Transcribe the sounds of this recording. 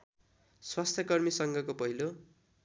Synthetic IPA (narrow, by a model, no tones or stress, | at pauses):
swast̪ʰjʌkʌrmisʌŋɡʌkopʌɦilo